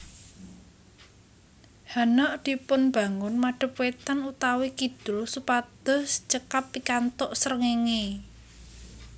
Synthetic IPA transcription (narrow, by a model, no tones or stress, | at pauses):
hanɔʔd̪̥i̤pʊnb̥ä̤ŋʊnmaɖ̥ə̤pwet̪anut̪awikid̪̥ɾosupad̪̥ɔ̤st͡ʃəkapːikant̪ɔʔsəɾəŋeŋe